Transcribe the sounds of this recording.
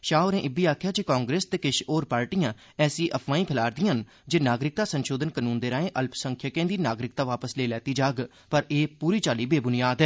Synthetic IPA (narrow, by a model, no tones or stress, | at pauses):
ʃaːoːɾɛ̃ːʔɪbiːaːkʰjaːt͡ʃeːkaːŋɡɾeːst̪eːkɪʃoːɾpaːɾʈijãː | ɛːsĩːʔəpʰʋaːĩːpʰɪlaːɾd̪ɪjãːn | d͡ʒeːnaːɡɾɪk̚t̪aːsənʃoːd̪ənkənuːnd̪eːɾãːẽːʔəlpsəŋkʰjakẽːnd̪iːnaːɡɾɪk̚t̪aːʋaːpəsleːlɛːt̪iːd͡ʒaːɡ | pəɾeːpuːɾiːt͡ʃaːliːbeːbʊnɪjaːd̪ɦɛː